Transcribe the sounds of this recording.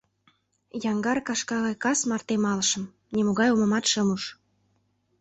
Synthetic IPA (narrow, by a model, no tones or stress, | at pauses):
jɑŋɡɑrkɑʃkɑɣɑjkɑsmɑrt̪emɑləʃə̆m | nʲemoɣɑjomə̆mɑt̪ʃəmuʃ